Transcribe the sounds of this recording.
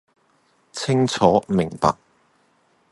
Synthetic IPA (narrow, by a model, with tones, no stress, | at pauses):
t͡sʰɪ˥ŋt͡sʰɔː˨˥mɪ˨˩ŋpa̰ː˨k̚